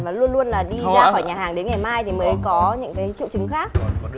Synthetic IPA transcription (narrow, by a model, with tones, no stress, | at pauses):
vaː˨˩lu˧ənlu˧ənlaː˨˩ɗi˧zaː˧ɔ˧˩jɲaː˨˩ɦaː˨˩ŋɗe˨˦nŋa˨˩jmaː˧jt̪ʰi˨˩məː˨˦jkɔ˨˦ɲɨ̰˧˥ŋkaː˨˦jt͡ɕḭ˧˨wt͡ɕɨ˨˦ŋxaː˦˥k̚